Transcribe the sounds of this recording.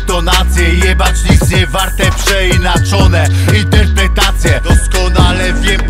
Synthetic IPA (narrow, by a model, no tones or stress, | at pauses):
t̪ɔnat̪sʲjɛiɲɛbat͡ʂɲit̪sɲɛvaɾt̪ɛpʂɛinat͡ʂɔnɛ | int̪ɛɾpɾɛt̪at̪sʲjɛd̪̥ɔskɔnalɛvʲjɛm